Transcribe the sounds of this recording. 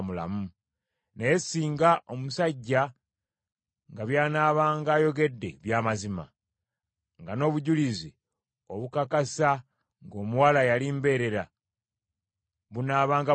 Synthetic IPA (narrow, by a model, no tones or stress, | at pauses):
mula̰mu | neesiːŋɡaʔomusaɟːa | ŋɡaβjaːnaːβaːŋɡaːjo̞ɡe̞dːe̞̰βjaːmazima̰ | ŋɡano̞ːβuɟulizi | o̞βukakasa | ŋɡo̞ːmuwalajalimbe̞ːɾe̞ɾa | βunaːβaːŋɡa